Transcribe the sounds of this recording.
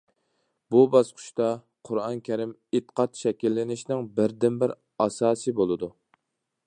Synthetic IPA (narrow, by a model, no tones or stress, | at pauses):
bubɑsqʰʊ̥ʃt̪ɑ | qʰʊɾɑnkʲʰɛɾɪmɪt̪qʰɑt̪ʃɛkʲilːɪnɪʃnɪŋbɪɾd̪ɪnbɪɾ | ɑsɑːsɨbolˠɨd̪u